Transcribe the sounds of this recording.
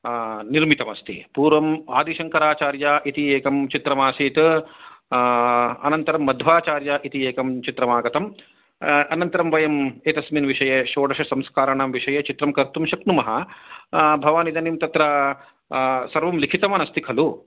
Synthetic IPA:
niɾmit̪ɐmɐst̪ḭpuːɾʋɐma̰ːd̪iʃɐŋkɐɾaːt͡ʃaːɾjaːʔit̪ieːkɐmt͡ʃit̪ɾɐmaːsiːt̪ | ɐ̰nɐnt̪ɐɾɐmːɐd̪ʱʋaːt͡ʃaːɾjaːʔit̪ieːkɐmt͡ʃit̪ɾɐmaːɡɐt̪ɐm | ɐnɐnt̪ɐɾɐmʋɐjɐmeːt̪ɐsminʋiʂɐjeʃoːɖɐʃɐsɐmskaːɾɐɳamʋiʂɐjɐt͡ʃit̪ɾɐmkɐɾt̪umʃɐknumɐɦɐ | bʱɐʋaːnid̪ʱɐnimt̪ɐt̪ɾɐ | sɐɾʋɐmlikʰit̪ɐmɐnɐst̪ikʰɐlu

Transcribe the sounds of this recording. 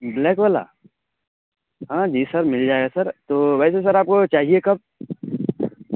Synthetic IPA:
blɛːkʋaːla̰ː | ɦãːd͡ʒiːsɐɾmɪld͡ʒaːeɡasɐɾt̪oʋɛːses̬ɐɾaːp̚kot͡ʃaːɦiekɐb̚

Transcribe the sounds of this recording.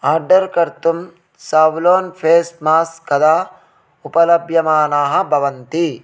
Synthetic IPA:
aːɾɖɐɾkɐɾt̪um | saːʋloːnpʰeːsmaːskɐd̪aː | upɐlɐbʱjɐmaːnaːɦɐ̆bʱɐʋɐnt̪i

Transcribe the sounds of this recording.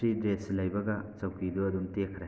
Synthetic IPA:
ɾidɾeslɐjbɐɡɐt͡ʃɐwkiduɐdumtekʰɾɐ

